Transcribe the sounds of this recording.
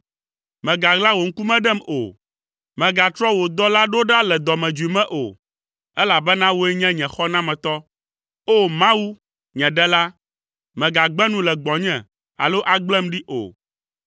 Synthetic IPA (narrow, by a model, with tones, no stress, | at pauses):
mɛ̃˨ɡa˨ɡlã˦wo˨ŋ̩˦ku˦mɛ̃˦ɖɛ˦˨mo̰˨ | mɛ̃˨ɡa˨t̪ɾɔ˦wo˨d̪ɔ˦la˦ɖo˦ɖa˦lɛ˨d̪ɔ˨mɛ̃˨d͡ʒu˨i˨mɛ̃˦ʔo̰˨ | ɛ˦la˨bɛ˦nã˦wo˦ɛ˦ɲɛ̃˦ɲɛ̃˨xɔ˦nã˦mɛ̃˨t̪ɔ˦ | o˦mã˦wu˦ | ɲɛ̃˨ɖɛ˦la˦ | mɛ̃˨ɡa˨ɡ͡bɛ˦nũ˦lɛ˨ɡ͡bɔ̃˨ɲɛ̰̃˨ | a̰˨lo˦ʔa˨ɡ͡blɛ˦mɖi˦ʔo̰˨